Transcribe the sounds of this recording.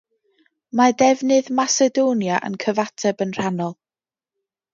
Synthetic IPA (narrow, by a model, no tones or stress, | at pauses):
madɛvnɨðmasɛdoːnjaʔə̰nkʰəvatʰɛbənr̥anɔlˠ